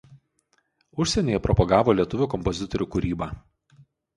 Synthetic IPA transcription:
ʊʃʲsʲɛnʲoːjɛpɾɔpɔɡɑːʋoːlʲiɛt̪ʊʋʲʊkɔmpɔzʲɪt̪ɔɾʲuːkʊɾʲiːba

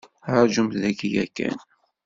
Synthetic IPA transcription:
ɾˤʒumðækijækːæ̰n

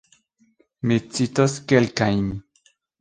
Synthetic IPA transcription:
met͡sit̪oskelkajmi

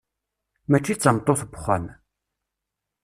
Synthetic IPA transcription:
mæt͡ʃːit͡sːəmt̪ˤːoθbχʷa̰n

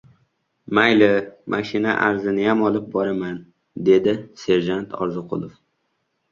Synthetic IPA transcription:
majlɪmʔaʃɪna̰ʔaɾzɪnɪjamɒlˠɪp̚bɒɾaman | d̪e̞d̪ɪse̞ɾʒant̪ʰɒ̰ɾzɨqʰʊ̰lˠof

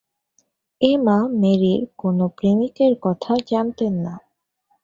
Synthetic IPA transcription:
emãmeɾiɾkonopɾemikeɾkɔt̪ʰad͡ʑant̪enːa

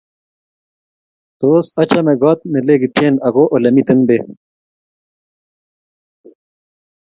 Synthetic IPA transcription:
t̪oːsɐt͡ɕɐmeɡoaːt̪̚meleɡit̪ʰeːnɐɡoːʔolɐmit̪ɐnbe

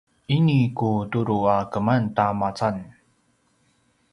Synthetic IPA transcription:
ʔinikutuɾuakəmantamat͡san

